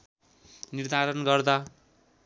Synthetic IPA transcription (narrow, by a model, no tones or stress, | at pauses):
nird̪ʱaɾʌnɡʌrd̪a